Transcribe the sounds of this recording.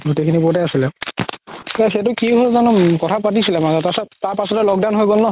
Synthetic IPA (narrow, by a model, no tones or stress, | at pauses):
ɡotekʰinipɔtɛasilɛ | kɛxetʊkiɦolzɔnɔkɔtʰapatisilɛmazɔtasɛtaɹpasɔtɛlɔk̚dawnɦojɡolnɔ